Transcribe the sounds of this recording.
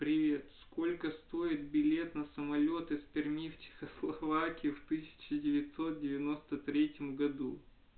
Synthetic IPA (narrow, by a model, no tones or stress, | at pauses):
pɾʲɪvʲe̞t̪sko̞lʲkəst̪o̞ɪt̪̚bʲɪlʲe̞t̪nəsəmɐlʲo̞t̪ɨspʲɪrmʲift͡ɕɪ̥xəslˠɐvakʲɪjɪft̪ɨsʲɪ̥t͡ɕɪdʲɪvʲɪt̪ʲso̞t̪̚dʲɪvʲɪno̞st̪ət̪ɾʲetʲɪmɡɐd̪u